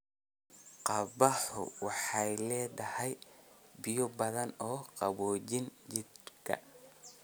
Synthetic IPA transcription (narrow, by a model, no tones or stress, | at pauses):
qɑβɑħʊ̰wɑħɑjlɛːdɐhɛjbɪjɔbɐðɐnɔːqɑβɔːt͡ʃɪnt͡ʃɪd̪kʰɐ̰